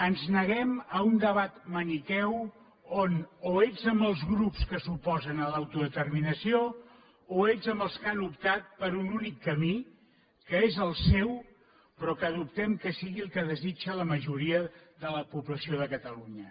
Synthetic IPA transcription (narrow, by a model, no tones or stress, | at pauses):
ənznəɣɛməund̪əβ̞at̪mənit̪ɛw | onoeʎzəmbəlˠzɣɾupskəsupɔzənəlawt̪uðət̪ərminəsio | oeʎzəmbəlˠskanupt̪at̪̚pəɾununikːəmi | kəezəlˠsɛw | pɾɔkəðup̚t̪ɛmkəsiɣilˠkəðəzit͡ʃələməʒuɾiəðələpuβləsioðəkət̪əluɲə